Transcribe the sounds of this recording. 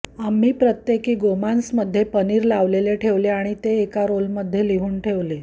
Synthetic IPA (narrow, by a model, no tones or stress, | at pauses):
amːiːpɾət̪jekiːɡomansməd̪ʱːjepəniːɾlaʋleleʈʰeʋleaɽ̃it̪eːkaɾolməd̪ʱːjeliɦuːnʈʰeʋle